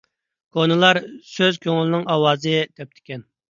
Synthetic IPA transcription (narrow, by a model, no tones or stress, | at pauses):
kʰonɨlˠɑɾsøzkʲʰøŋlɪnɪŋʔɑwɑːzɨd̪̥ɛp̚t̪ʰɪ̥kʲɛn